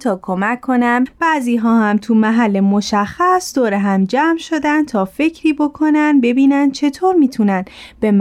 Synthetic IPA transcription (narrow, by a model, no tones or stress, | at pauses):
t̪ʰɒːkʰomæcʰːo̞næmb̥æziːɦɒːhæmt̪ʰumæɦælːe̞mo̞ʃæxːæsd̪oːɾeɦæmd͡ʒæːmʃo̞d̪ænd̪̚t̪ʰɒːfe̞cʰɾiːbo̞kʰo̞nænd̪be̞biːnænd̪̥̚t͡ʃʰe̞t̪ʰoːɾmiːt̪ʰunænb̥e̞m